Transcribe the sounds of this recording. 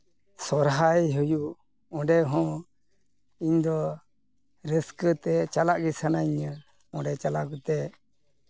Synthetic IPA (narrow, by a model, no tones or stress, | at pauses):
sɔɾɦajɦuju | ɔ̃ɖɛɦɔ̃ | iɲd̪ɔ | ɾəskət̪ɛt͡ʃalaʔɡisanaɲə | ɔ̃ɖɛt͡ʃalaʔɡut̪ɛ